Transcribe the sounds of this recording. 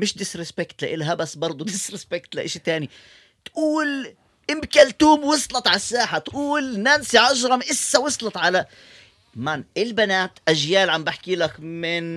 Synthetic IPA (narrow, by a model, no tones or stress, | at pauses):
mɪʃd̪ɪsɾɪspɪkt̪laʔɪlɦabasbɑɾˤd̪ˤud̪ɪsɾɪspɪkt̪laʔɪʃit̪aːni | t̪ʔuːl | ʔɪmkalt̪uːmwɨsˤlɑt̪ˤʕalasːaːħat̪ʔuːlnaːnsiʕɑʒɾˤɑmʔɪsːawɨsˤlɑt̪ˤʕala | manʔɪlbanaːt̪ʔaʒjaːlʕambɪħkiːlakmɪn